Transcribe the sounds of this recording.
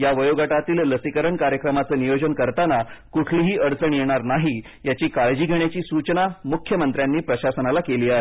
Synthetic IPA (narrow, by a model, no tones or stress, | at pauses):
jaʋəjoɡaʈat̪iːlːəsikəɾəɳkaɾjəkɾəmat͡səːnijod͡ʑənkəɾt̪anakuʈʰliːɦiːʔəɽt͡səɳjeɽ̃aɾnaɦi | jat͡ɕiːkaɭd͡ʑiːɡʱeɳjat͡ɕiːsut͡ɕnamukʰjəmənt̪ɾjanːiːpɾəɕasənalakeliːaɦe